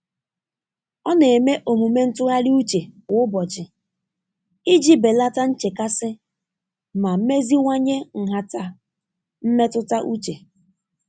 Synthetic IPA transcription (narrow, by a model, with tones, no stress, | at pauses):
ɔ˦ne˨e˨me˦ʔo˨mu˨me˦n̩˦tʊ˦ɣa˦ɾi˦u˦t͡ʃe˨˦bɔ˨d͡ʒɪ˨ | i˦d͡ʒi˦be˨la˦ta˦n̩˦t͡ʃe˨ka˦sɪ˦ | ma˨m̩˦me˦zi˦ŋʷa˦ɲe˦ŋ̩˨ɦa˨ta˨ | m̩˦me˦tʊ˦ta˦ʔu˦t͡ʃe˨